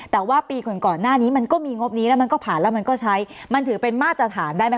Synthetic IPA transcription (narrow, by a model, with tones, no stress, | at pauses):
t̪ɛː˨˩waː˥˩piː˧kɔ˨˩nkɔː˨˩nːaː˥˩niː˦˥ma˧nkɔː˥˩miː˧ŋo˦˥p̚niː˦˥lɛː˦˥wma˧nkɔː˥˩pʰaː˨˩nlɛː˦˥wma˧nkɔː˥˩t͡ɕʰa˦˥jma˧nt̪ʰɯː˩˦pe˧nmaː˥˩t̪ːɾa˧t̪ʰaː˩˦ndaː˥˩jm˦˥